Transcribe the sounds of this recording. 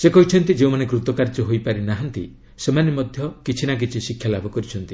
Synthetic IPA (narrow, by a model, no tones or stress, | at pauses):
sekɔɦit͡ʃʰɔnt̪id͡ʒeũmanekɾut̪ɔkaɾd͡ʒɔɦojpaɾinaɦɔnt̪ḭ | semanimɔd̪ʱjɔkit͡ʃʰinak̬it͡ʃʰisikʰːjalabʱɔkɔɾit͡ʃʰɔnt̪i